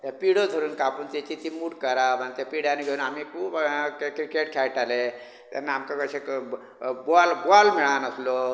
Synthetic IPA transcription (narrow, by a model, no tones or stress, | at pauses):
t̪epiɽod̪ʱoɾunkapunt̪et̪it̪imuɽkəɾamʱant̪epiɽaniɡəunamikukekɾikeʈkʰajʈale | t̪ḛnamkakəsʰek | boalbualmiɭanəsʰlo